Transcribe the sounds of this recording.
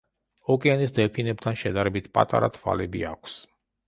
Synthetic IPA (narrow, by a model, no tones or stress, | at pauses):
ɔkʼɛanisd̪ɛpʰinɛp̚t̪ʰanʃɛd̪aɾɛbit̪ʰpʼa̰t̪ʼa̰ɾa̰t̪ʰwa̰lɛbḭakʷʰs